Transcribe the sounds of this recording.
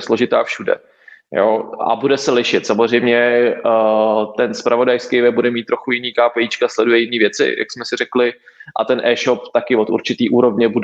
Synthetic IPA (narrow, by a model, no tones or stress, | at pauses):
sloʒɪt̪aːfʃudɛ̰ | jo̰ːa̰budɛsɛlɪʃɪt̪samozr̝ɛjmɲɛ | t̪ɛnspɾʔavo̞dajskejvɛb̚budɛmit̪ːɾo̞xujɪniːkaːpɛjiːt͡ʃkaslɛdujɛjɪniːvjɛt͡sɪ̰ja̰ksmɛsɪrɛklɪ | ʔa̰t̪ɛnʔɛːʃop̚t̪akɪvot̪ṵɾt͡ʃɪt̪iːʔuːɾo̞vɲɛbud